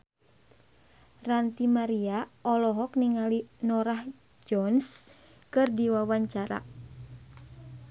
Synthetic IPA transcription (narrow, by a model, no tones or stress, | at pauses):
rant̪imaɾiaɔlɔɦɔkniŋalinɔɾah | d͡ʒɔns | kɨrdiwawaɲt͡ʃaɾa̰